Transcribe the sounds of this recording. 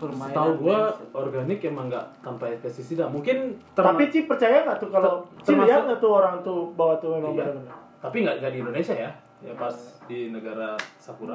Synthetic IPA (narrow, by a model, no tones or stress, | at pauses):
pərmat̪auɡuaɔrɡanɪkemaŋɡa̰ʔt̪ampajkɛsisidamuŋkɪnt̪ərt̪aapitipərt͡ʃajakaʔt̪ukaltt͡ʃəinmjaat̪uoɾaŋt̪ubawat̪umemaŋjbaanat̪apiŋɡaʔŋɡaʔdiindonesiaja | japasdinəɡaɾasakuɾa̰